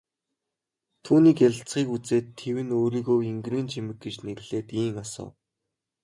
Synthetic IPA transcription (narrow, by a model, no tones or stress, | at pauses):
t̪ʰuːniːkjaɮ̆ʲɬt͡sχiːkut͡seːt̪ʰːewɘ̆noːɾiɣoːiŋɡriːnt͡ɕʰimɘ̆k̚ɡet͡ɕneɣɘ̆ɮ̥eːt̪iːŋasə̰ː